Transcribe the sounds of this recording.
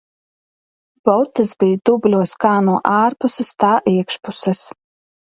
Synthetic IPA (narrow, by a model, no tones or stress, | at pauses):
b̥ɔwt̪ːɐzbʲijd̪̥ubʲlʲuɔskaːnuɔʔaːɾpusɨst̪aːʔiɛkʃpusɛs